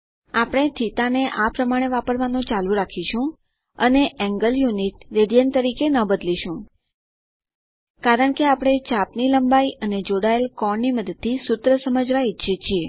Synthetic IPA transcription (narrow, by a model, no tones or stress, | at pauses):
apɽ̃et̪ʰit̪aneʔapɾəmaɽ̃eʋapəɾʋanũt͡ʃalũɾakʰiʃũ | əneʔɛ̃ŋɡəljuniʈɾeɽijənt̪əɾikenəbəd̪liʃũ | kaɾəɳkeapɽ̃et͡ʃapniləmbaiʔəned͡ʒoɽaelkɔɳnːiməd̪əd̪̚t̪ʰːisʊt̪ɾəsəməd͡ʒʱʋaiʃʰet͡ʃʰie